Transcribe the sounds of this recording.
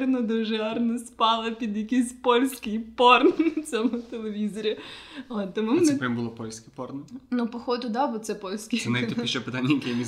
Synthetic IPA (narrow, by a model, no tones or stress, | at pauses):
rnɔd̪ɔʒɔrnɔspɑlˠɐpʲid̪jɐkisʲpɔlʲsʲkɪjpɔrnɐt͡sʲɔmʊt̪elˠeʋʲizɔɾʲiɔt̪t̪ːɔmʊmnɛpɛmbʊlˠɔpɔlʲsʲkʲɪpɔrnnupɔxɔd̪ʊd̪ɑbɔt̪sɛpɔlʲsʲkɪnait̪ʲiʃt͡ʃɛpet̪anʲːɐjɐkɛjmʲiz